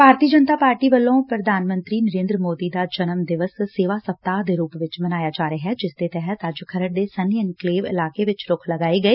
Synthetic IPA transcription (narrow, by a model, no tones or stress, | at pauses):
bʱaːɾt̪iːd͡ʒənt̪aːpaːɾʈiːʋəlːõːpɾəd̪ʱaːnmə̃nt̪ɾiːnəɾẽːnd̪ɾəmoːd̪iːd̪aːd͡ʒənəmd̪ɪʋəsseːʋaːsəp̚t̪aːd̪eːɾuːpʋɪt͡ʃmənaːjaːd͡ʒaːɾeɦɛːd͡ʒɪsd̪eːt̪ɛːɦət̪əd͡ʒkʰəɾəɽ̚d̪eːsəniənkleːʋɪ̰laːkeːʋɪt͡ʃɾʊkʰləɡaːiːɡəeː